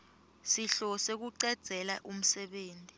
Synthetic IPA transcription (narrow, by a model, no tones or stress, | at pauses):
siɬɔsek̬uǀɛd̥z̥ʱɛlaʔum̩sɛɓeːntʼi